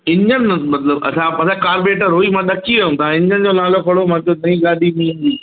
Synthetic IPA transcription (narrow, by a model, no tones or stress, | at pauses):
ɪɲd͡ʑənmɐt̪ləbɐ̰sãɐsãːkaːɾbeːʈəɾɦoːiːmãːɗ̪ɐkiũt̪ãːɪ̃ɲd͡ʑənd͡ʑoːnaːlokʰɐɽomãːk̪oːnɐĩːɡaːd̪ʱiːmĩːnd̪iː